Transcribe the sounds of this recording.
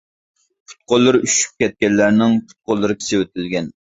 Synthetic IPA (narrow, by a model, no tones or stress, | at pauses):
pʰu̥t̪̚qʊlˠːɨɾyʃy̥p̚kʲɛt̪̚kʲɛlːæɾnɪŋpʰu̥t̪̚qolˠːɨɾɨkʲʰi̥sɪwøt̪ʰɪlɡʲɛn